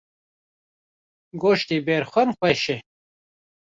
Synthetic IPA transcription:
ɡoːʃt̪iːbeːɾxʷɐnxʷɛʃe

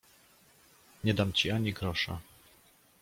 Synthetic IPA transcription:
ɲɛd̪amt͡ɕiaɲiɡɾɔʂa̰

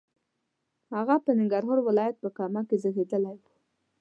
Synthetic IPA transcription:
haɣapənɪŋɡɑɾɦɑɾwɪlɑjat̪̚pəkɑmakezəxed̪əlaju

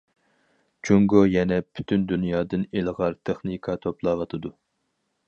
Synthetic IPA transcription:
t͡ʃʰuŋɡojɛnɛpʰy̥t̪ʰynd̪ynjɑːd̪ɨnelʁɑɾt̪ʰeχnɨkʰɑt̪ʰoplˠɑːvɑt̪ʰɨd̪u

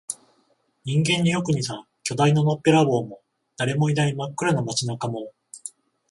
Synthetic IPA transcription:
ɲĩŋɡẽ̞ɲ̟ːijo̞kɯ̟ɲ̟isã | kʲo̞d̪aino̞no̞pːeɾabo̞ːmo̞ | d̪̥aɾe̞mo̞inaimakːɯ̟ɾano̞mat͡ɕinakamo̞

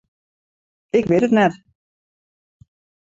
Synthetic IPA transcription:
ɪkʋɪtətnɛt

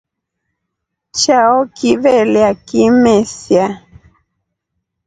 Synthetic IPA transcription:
t͡ʃaɔkiβɛliakimɛsja

